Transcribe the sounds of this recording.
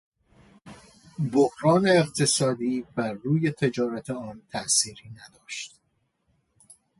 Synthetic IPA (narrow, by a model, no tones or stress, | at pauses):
bohɾɒːne̞ːqt̪ʰe̞sɒːd̪iːbæɾːuːje̞t̪ʰe̞d͡ʒɒːɾæt̪ʰeɒːnt̪ʰæʔsiːɾiːnæd̪ɒːʃt̪